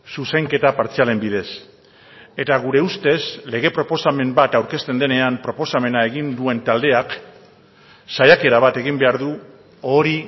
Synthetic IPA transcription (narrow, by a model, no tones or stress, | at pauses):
susejŋke̞t̪apaɾt͡siale̞mbið̞e̞s | e̞t̪aɣ̞uɾe̞ust̪e̞sle̞ɣ̞e̞pɾo̞po̞same̞mbat̪awɾke̞st̪e̞nd̪e̞ne̞ampɾo̞po̞same̞nae̞ɣ̞ind̪ue̞nt̪ald̪e̞ak | sajake̞ɾaβ̞at̪e̞ɣ̞imbe̞aɾðu | o̞ɾi